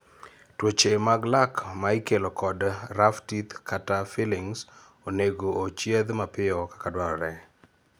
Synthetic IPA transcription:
twot͡ʃemaɡlakmaɪkelɔkɔdɾaftit̪kʰatafilɪŋs | oneɡoːt͡ʃjed̪mapɪɔkḁkadwaɾɔɾɛ

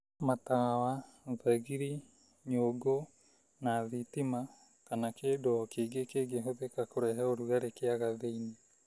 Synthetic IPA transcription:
matawa | ðaɣiɾi | ɲoɡo | naðitima | kanakeːdokeːɡekeːɡeɦoðekakoɾɛɦɛoɾuaɾekeaɣaðeine

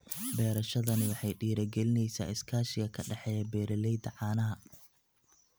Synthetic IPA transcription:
bɛːɾɐʃɐðɐnɪwɑħɑjɖiːɾɐɡɛlɪnɛjsa̰ːɪskʰaːʃɪɣɐkʰɐɖɑħɛːjɐbɛːɾɐlɛjd̪ɐʕɑːnɐɦɐ

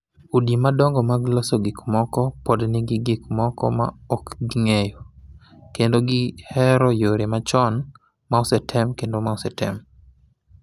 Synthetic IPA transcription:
udimadɔŋɡɔmaɡlɔsɔɡɪkmɔkɔpɔdnɪɡɪɡɪkmɔkɔ̰ma̰ɔkɡiŋejo | kendoɡɪhɛɾɔjoɾemat͡ʃɔn | maɔsɛtʰɛmkendomaɔsɛtʰɛ̰m

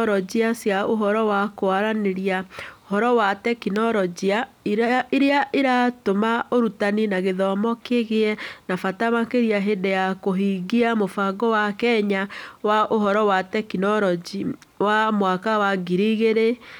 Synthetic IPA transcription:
ɾɔd͡ʒiasjaoɦɔɾɔwakoaɾaneɾiaohɔɾɔwatɛkinɔɾɔd͡ʒia | iɾeaʔeɾatomaoɾutaninaɣeðɔmɔkeɣeɛnafataβakeɾiaɦedɛjakoɦiːɡiamofaɡɔwakɛɲawaʔoɦɔɾɔwatɛkinɔɾɔd͡ʒi | wamwakawaɡiɾiɣeɾe

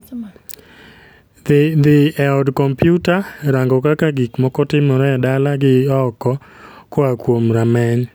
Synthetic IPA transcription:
d̪ɪɛɔdkɔmpjutaɾaŋɡɔkakaɡikmɔkɔtɪmɔɾɛadalaɡɪɔkɔ | kɔakwomɾamɛɲ

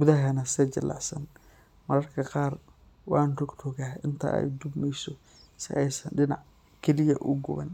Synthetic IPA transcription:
ɡʊðɐɦɐnɐsɛt͡ʃɐlʔɑ̰ʕsɐn | mɐɾɐrkʰɐqɑːr | wɑːnrʊɡt̪ʰɔɣaːʔɪnt̪ʰɐ̰ʔɛ̰jd̪ʊbmɛjsɔ | sɪ̰ʔɛjsɐnɖɪnɑʕ | kʰɛlɪjɐʔʊɡʊβɐ̰n

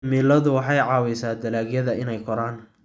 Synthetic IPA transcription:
miːlɐðʊwɑħɑjʕɑːwɛjsaːd̪ɐlaːɡjɐðɐɪnɛjkʰɔɾaːn

